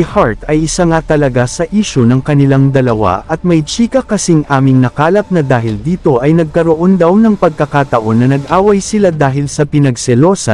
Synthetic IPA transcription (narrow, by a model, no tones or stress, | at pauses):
haɹt̪ɐjʔɪsɐŋat̪ɐlɐɡasɐʔiːʃonɐŋkɐnɪlaŋd̪ɐlɐwa̰ʔɐt̪̚mɐjt͡ʃiːkɐkɐsiŋʔaːmɪŋnɐkaːlɐp̚nɐd̪aːɦɪld̪iːt̪o̞ʔɐjnɐɡ̚kɐɾoʔo̞nd̪ɐwnɐŋpɐɡ̚kɐkaːt̪ɐʔo̞nːɐnɐɡʔaːwɐjsɪlad̪aːɦɪlsɐpɪnɐɡsɛlo̞ːsɐ